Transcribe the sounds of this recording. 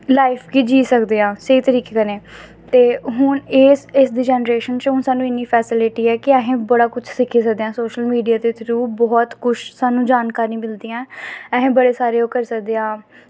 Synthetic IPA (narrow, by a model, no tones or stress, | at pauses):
laːɪpʰkiːd͡ʒiːsəkd̪eːãːseiːt̪əɾiːkeːkəneː | t̪eːɦʊneːsɪsd̪iːd͡ʒɛːnəɾeːʃənt͡ʃɦʊnsaːnũːɪnːiːpʰɛːsɪlɪʈiːɛːkɪɛːɦẽːbəɽaːkʊt͡ʃʰsɪkʰiːs̬əkd̪eãːsoːʃəlmiːɖijaːd̪eːt̪ʰɪɾuːbɔːt̪kʊʃsaːnũːd͡ʒaːnkaːɾĩːmɪld̪iːɛ̃ːɛːɦẽːbəɽeːsaːɾeːoːkəɾsək̚d̪eːãː